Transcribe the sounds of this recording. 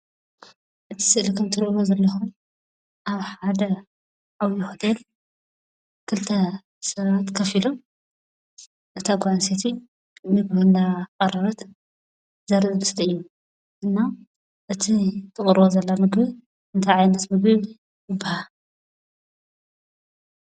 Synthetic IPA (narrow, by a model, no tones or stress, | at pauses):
ʔɨt̪ʰi̥sɨʔlikʰɐmt̪ʰɨɾʔlozɐlːɐxun | ʔaβħad̪ɐ | ʕawjixɨd̪el | kʰɨlt̪ʰɐ | sɐβat̪kʰɐfilom | ʔɨt̪ʰaɡʷʕanset̪ʰi | mɨɡβɐnːakʼɐrɐɾɐt̪ | zɐɾzɨlɨst̪ɐɨjːu | ʔɨnːa | ʔɨt̪ʰit̪ʰɨkʼɨɾβozɐlːamɨɡbɨβ | ɨnt̪ʰajʕajnɐt̪mɨɡbɨβ | jɨbːaha